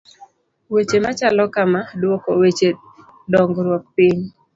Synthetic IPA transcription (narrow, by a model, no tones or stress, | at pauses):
wet͡ʃemat͡ʃalɔkamadwokowet͡ʃe | dɔŋɡɾwɔk̚pɪɲ